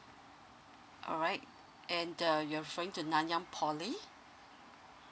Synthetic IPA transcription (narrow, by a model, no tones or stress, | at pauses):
ʔɔ̰ɹaɪt̚ | ʔɛ̃ndəjuaɹifəɹɪ̃ŋtunãnjãŋpʰɔli